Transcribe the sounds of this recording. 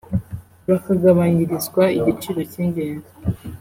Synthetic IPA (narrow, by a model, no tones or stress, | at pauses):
βakaɡaβaɲiɾizɡwaiɟit͡ʃiɾo̞ciːɲɟeːnza